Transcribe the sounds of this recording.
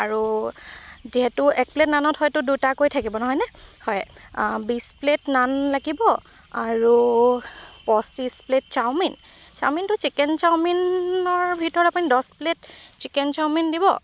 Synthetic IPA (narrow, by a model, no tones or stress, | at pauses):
aɹu | ziɦɛtʊɛk̚pletnanɔthɔjtʊdutakojtʰakibɔnɔɦɔjnɛhɔjbispletnanlaɡibɔ | aɹu | pɔsisplet̚t͡ʃawmint͡ʃa̰wmintʊt͡ʃikɛnt͡ʃawminɔɹbʱitɔɹapunidɔsplett͡ʃikɛnt͡ʃawmindibɔ̰